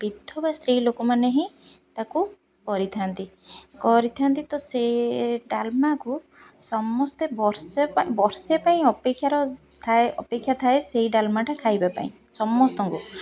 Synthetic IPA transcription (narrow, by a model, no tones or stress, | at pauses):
bid̪ʱɔbast̪ɾilokɔmaneɦĩ | t̪aku | kɔɾit̪ʰant̪i | kɔɾit̪ʰant̪it̪ɔseɖalmaku | sɔmːɔst̪ebɔɾsepaĩbɔɾsepaĩɔpekʰːjaɾɔ | t̪ʰaeɔpekʰːjat̪ʰaeseɦiɖalmaʈakʰajbapa̰ḭ̃ | sɔmːɔst̪ɔŋku